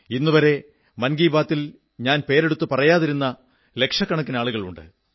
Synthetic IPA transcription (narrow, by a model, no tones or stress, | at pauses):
inːuʋɐɾe̞ | mɐnɡiːbaːt̪ːil | ɲaːnpe̞ːɾe̞ɽut̪ːupɐrɐjaːðiɾunːɐ | le̞kʂɐkːɐɳɐk̬ːinaːɭuɣɐɭṵɳɖɨ̰